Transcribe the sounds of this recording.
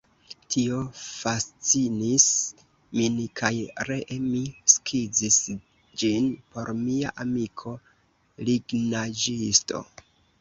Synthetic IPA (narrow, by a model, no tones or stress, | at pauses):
tʰio̞fast͡sinis | minkʰajɾeʔemiskʰid͡zis | d͡ʒinpo̞ɾmia̰ʔamikʰo̞ | liɡnad͡ʒisto̞̰